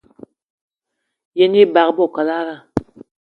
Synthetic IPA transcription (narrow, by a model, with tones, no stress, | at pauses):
jɛ˨ni˦ba˨kbɔ˦˨ka˨la˦ɾa˦˨